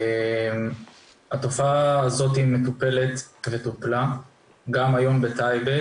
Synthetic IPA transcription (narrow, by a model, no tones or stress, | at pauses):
em | hat̪o̞faːzo̞t̪himet̪upe̞le̞t̪vet̪upla | ɡamajo̞mbet̪ajbe